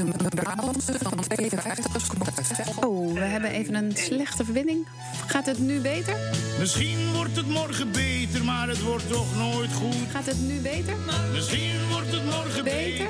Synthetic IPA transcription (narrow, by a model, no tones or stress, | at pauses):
əbaətʋejəfɛjftəχəskmowʋəɦɛbənʔejvənənslɛχtəvəɹbɪndɪŋ | fχaːtɦətnybejtəɹmɪsχinʋɔrtətmɔrχəbejtəɹmaːɾətʋɔrtːɔχnoːjtχuχaːtətnybejtəɹ | mɪsinʋɔrtətmɔrəbe | əɹ